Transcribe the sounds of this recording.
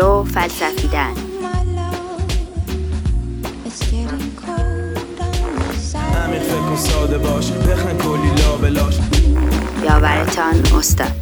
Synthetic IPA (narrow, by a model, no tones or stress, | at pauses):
ofælsæfiːd̪æn | næmifekosɒːd̪ebɒːʃpʰexnekʰolːiːlɒːbelɒːʃ | jɒːvæɾḛt̪ʰɒno̰st̪ɒ̰d̪̥